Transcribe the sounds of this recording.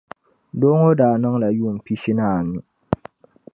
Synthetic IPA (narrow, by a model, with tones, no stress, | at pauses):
do˦ŋo˦daː˨nɔ˦ŋla˨juː˦˨m̩˨pi˦ʃi˦naː˦˨nu˦